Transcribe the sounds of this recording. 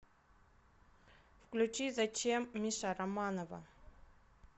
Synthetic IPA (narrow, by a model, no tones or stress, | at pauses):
fklʲʉt͡ɕizɐt͡ɕemːʲiʂaɾɐmanəvə̰